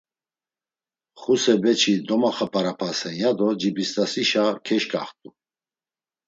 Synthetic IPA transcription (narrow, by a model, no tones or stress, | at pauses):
χusɛbɛt͡ʃʰid̪ɔmaχəpʰʼaɾapʰasɛnjad̪ɔd͡ʒibist̪ʼasiʃakʰɛʃkʼa̰χt̪ʼu